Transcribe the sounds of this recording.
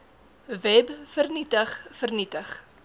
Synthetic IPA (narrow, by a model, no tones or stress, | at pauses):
vɛbfərnitəχfərnitəχ